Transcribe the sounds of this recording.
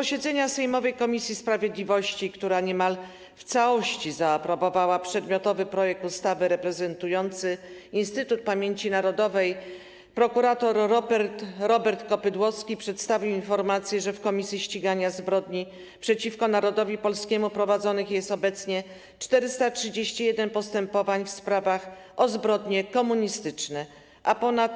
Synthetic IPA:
pɔɕɛd̪zɛɲasɛjmɔvɛjkɔmʲisʲjispɾavʲjed̪lʲivɔɕt͡ɕikt̪uɾaɲɛmal | ft̪sawɔɕt͡ɕizaːpɾɔbɔvawapʂɛd̪mʲjɔt̪ɔvɘpɾɔjɛk̚t̪ust̪avɘɾɛpɾɛzɛnt̪ujɔnt̪sɘinst̪ɘt̪ut̪̚pamʲjeɲt͡ɕinaɾɔd̪ɔvɛj | pɾɔkuɾat̪ɔɾːɔpɛɾt̪ɾɔbɛɾt̪kɔpɘd̪wɔskʲipʂɛt̪st̪avʲiwinfɔɾmat̪sʲjɛʐɛfkɔmʲisʲjiɕt͡ɕiɡaɲazbɾɔd̪ɲi | pʂɛt͡ɕifkɔnaɾɔd̪ɔvʲipɔlskʲɛmupɾɔvad̪zɔnɘxjɛst̪ɔbɛt̪sɲɛ | t͡ʂt̪ɛɾɘst̪atʂɘd͡ʑeɕt͡ɕijɛd̪ɛnpɔst̪ɛmpɔvaɲfspɾavax | ʔɔzbɾɔd̪ɲɛkɔmuɲist̪ɘt͡ʂnɛ | ʔapɔnat̪

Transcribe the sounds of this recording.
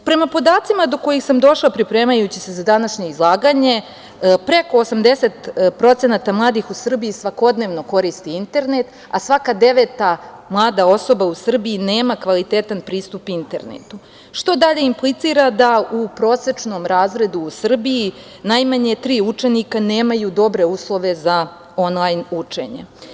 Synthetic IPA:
pɾe̞mapo̞d̪aːt̪simad̪o̞ko̞jixsamd̪o̞ʃlapɾipɾe̞ːmajut͡ɕise̞zad̪anaʃɲe̞izlˠaːɡaɲe̞ | pɾe̞ko̞ːsamd̪e̞se̞t̪pɾo̞t̪e̞nat̪amlˠaːd̪ixusr̩biisʋako̞d̪neʋno̞ko̞ɾist̪iint̪e̞ɾne̞t̪ | asʋakad̪e̞ʋe̞t̪amlˠaːd̪ao̞so̞bausr̩biineːmakʋalit̪e̞t̪anpɾiːst̪upint̪e̞̰ɾnḛt̪u | ʃt̪o̞d̪aʎe̞implˠit̪siːɾad̪aupɾo̞ːse̞t͡ʂno̞mɾaːzɾe̞d̪uːsr̩biji | najmaɲe̞t̪ɾiːut͡ʂe̞nikane̞ːmajud̪o̞bɾe̞uːslˠo̞ʋe̞za | o̞nlˠajnut͡ʂe̞̰ɲḛ

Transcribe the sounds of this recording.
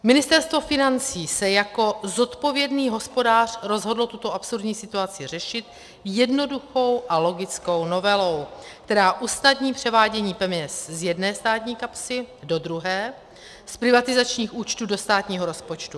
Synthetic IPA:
mɪnɪst̪ɛɾst̪vo̞fɪnant͡siːsɛjako̞zo̞t̪po̞vjɛdniːɦo̞spo̞daːr̝̥ɾo̞zɦo̞dl̩t̪ut̪o̞ʔapsuɾdɲiːsɪt̪uat͡sɪr̝ɛʃɪt̪ | jɛdno̞duxo̞wʔalo̞ɡɪt͡sko̞wno̞vɛlo̞wk̚t̪ɛɾaːʔusnadɲiːpr̝̥ɛvaːɟɛɲiːpɛmɲɛszjɛdnɛːst̪aːt̪ɲiːkapsɪdo̞d̪ɾuɦɛː | spɾɪvat̪ɪzat͡ʃɲiːxuːt͡ʃt̪uːdo̞st̪aːt̪ɲiːɦoɾo̞spot͡ʃt̪u

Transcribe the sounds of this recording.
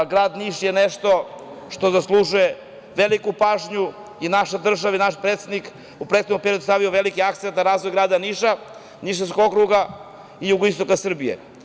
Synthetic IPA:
ɡɾaːd̪niʃjeneʃt̪o̞ʃt̪o̞zaslˠuʒuje | ʋelikupaːʒɲu | inaʃed̪r̩ʒaʋainaʃpɾet̪sed̪nik | upɾet̪konompeɾiod̪ust̪aʋioʋe̞likiakt̪ent̪naɾaːzʋo̞jɡɾaːd̪aniʃa | niʃ̬eskokokɾuɡa | ijuɡoist̪o̞kasr̩bijḛ

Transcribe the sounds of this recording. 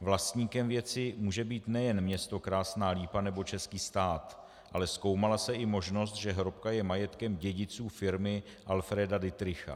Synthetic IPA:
vlast̪ɲiːkɛmvjɛt͡sɪmuːʒɛbiːt̪nɛjɛnmɲɛst̪o̞kɾaːsnaːliːpanɛbo̞t͡ʃɛskiːst̪aːt̪ | ʔalɛsko̞wmalasɛʔɪmo̞ʒno̞s̬t̪ʒɛɦɾo̞pkajɛmajɛt̪kɛmɟɛɟɪt͡suːfɪɾmɪ | ʔalfɾɛːdadɪt̪ɾɪxa̰

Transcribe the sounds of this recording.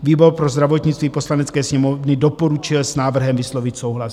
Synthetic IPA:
viːboɾpɾozd̪ɾavot̪ɲɪt͡st̪viːposlanɛt͡skɛːsɲɛmovnɪdopoɾut͡ʃɪlsnaːvr̩ɦɛmvɪslovɪc̪sowɦlas

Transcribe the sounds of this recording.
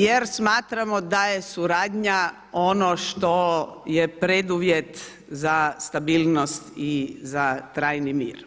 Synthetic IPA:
jeɾsmaːt̪ɾamod̪aje̞suɾaːd̪ɲa | o̞noʃt̪ojepɾed̪uʋje̞t̪ | zast̪abiːlnost̪izat̪ɾaːjnimḭːɾ

